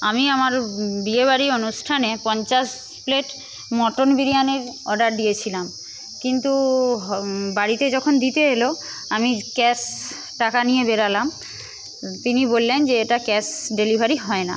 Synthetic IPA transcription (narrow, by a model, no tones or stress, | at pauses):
amiamaɾbieβaɾionusʈʰanepɔnt͡ɕas | pleʈ | mɔʈonbiɾianeɾɔ̰ɖaɾdijet͡ɕʰilam | kint̪uɦbaɽit̪ed͡ʑɔkʰond̪it̪eɦelo | amikɛs | ʈakanijebeɾalam | t̪inibolːend͡ʑeeʈakɛsɖelibʱaɾiɦɔena̰